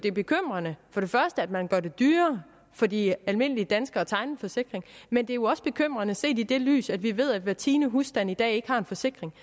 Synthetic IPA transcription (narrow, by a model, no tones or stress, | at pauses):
d̥e̝ɐb̥e̝kʰøm̰ʁɐnəfɒ̽ɾ̥e̝fɶɐsd̥əæd̥mænɡ̥ɶɐd̥e̝d̥yːɐː | fɒ̽d̥ḭːælme̝n̰əlid̥ænsɡ̥ɐːt͡sʰɑ̈ɪn̩ˠfɒ̽se̝ɡ̥ʁeŋmend̥e̝æɐjo̝ɒ̽sb̥e̝kʰøm̰ʁɐnəse̝̰ːd̥id̥e̝ly̰ːsæd̥ʋiʋe̝ð̞̰ˠæd̥ʋæɐt͡sʰiːnəɦusd̥æn̰id̥ɛ̰ːe̝ɡ̥hɑ̈e̝nfɒ̽se̝ɡ̥ʁeŋ